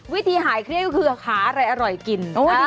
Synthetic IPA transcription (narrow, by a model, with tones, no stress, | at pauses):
wi˦˥t̪ʰiː˧ɦaː˩˦jkʰɾi˦˥˩əkɔ˥kʰɯː˧kʰaː˩˦ʔa˧ɾa˧jʔa˧ɾɔ˨˩jki˨˩nʔoː˦˥˩